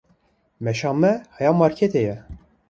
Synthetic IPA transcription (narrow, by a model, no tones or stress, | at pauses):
mɛʃɑːmmːɛhɑjɑːmɑːɾkʰet̪ʰejɛ